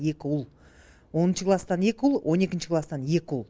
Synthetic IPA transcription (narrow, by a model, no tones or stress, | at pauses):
e̞kʲɪʊlˠ | wo̞nənʃəklˠastd̪ɑne̞kʲɪʊlˠwʔo̞ne̞kʲɪnʃɪkʰlˠɑst̪ɑnje̞kʲɪʊlˠ